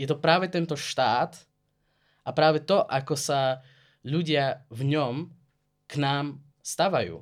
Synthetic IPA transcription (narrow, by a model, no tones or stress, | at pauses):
jɛt̪ɔpɾaːʋɛt̪ɛnt̪ɔʃt̪aːt̪ | ʔapɾaːvɛt̪ɔʔakɔsa | ʎuɟɪavɲɔm | knaːm | st̪aʋajṵː